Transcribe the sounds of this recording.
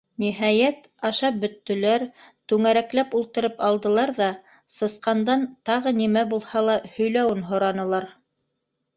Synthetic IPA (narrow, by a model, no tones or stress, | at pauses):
niɦæjæt̪ | ɑʃɑp̚bɵ̆t̪ːɵ̆læɾt̪ʉŋæɾæklæpulˠt̪ɤ̆ɾɤpɑlˠd̪ɤ̆lˠɑɾðɑ | sɤ̆sqɑnd̪ɑnt̪ɑʁɤnimæbulˠhɑlˠɑhɵ̆jlæwɘnɦŏɾɑnɤ̆lˠɑɾ